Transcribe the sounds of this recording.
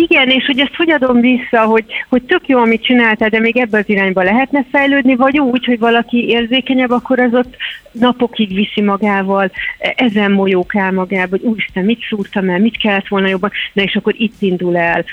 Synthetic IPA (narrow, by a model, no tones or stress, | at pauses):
iɡɛneːʃho̞ɟɛst̪ho̞ɟɒd̪o̞mvisːɒɦo̞ɟho̞c̚t̪ø̞kjoːɒmit̪̚t͡ʃinaːlt̪aːld̪ɛmeːɡɛbːɛɒziɾaːɲbɒlɛɦɛt̪nɛfɛjløːd̪nivɒɟuːcho̞ɟvɒlɒkieːrzeːkɛɲɛbːɒkːo̞ɾɒzo̞t̪ːnɒpo̞kiɡʋisimɒɡaːvɒlɛzɛmːo̞joːkaːlmɒɡaːboɟuːjiʃt̪ɛnmit̪suːrt̪ɒmɛlmit̪kɛlːɛt̪ʋo̞lnɒjo̞bːɒnnɒeːʃɒkːo̞ɾit̪ːind̪ulɛl